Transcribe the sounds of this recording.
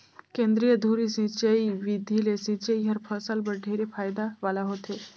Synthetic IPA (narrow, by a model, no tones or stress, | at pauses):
kẽːnd̪ɾijəd̪ʱuɾisĩt͡ʃəiʋid̪ʱilesĩt͡ʃəiɦəɾpʰəsəlbəɖʱeɾepʰaːjd̪aʋaːlaɦot̪e